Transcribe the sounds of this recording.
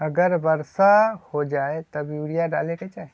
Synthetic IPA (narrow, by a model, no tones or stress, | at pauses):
ɐɡəɾbəɾsahod͡ʒaːet̪ɐbjuːɽijaɖa̰ːleket͡ʃaːɦe